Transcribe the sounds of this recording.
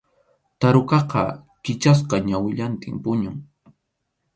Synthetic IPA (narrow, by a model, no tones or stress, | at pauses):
t̪aɾʊkɑqɑ̰ | kɪt͡ʃas̬qɑɲawɪʎant̪ɪmpʊɲʊŋ